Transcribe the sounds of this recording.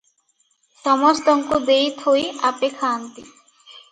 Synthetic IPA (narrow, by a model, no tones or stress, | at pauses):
t̪ɔmost̪ɔŋkod̪ejt̪ʰojapekʰant̪i